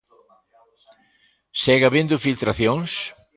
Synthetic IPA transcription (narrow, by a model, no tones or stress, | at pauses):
sɛɣɐβend̪ʊfilt̪ɾaθjõŋs